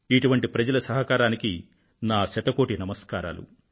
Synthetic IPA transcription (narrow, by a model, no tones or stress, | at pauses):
iʈuʋɐɳʈipɾɐd͡ʒɐlɐsɐɦɐkaːɾaːniki | naːsɐt̪ɐkoːʈinɐmɐskaːɾa̰ːlṵ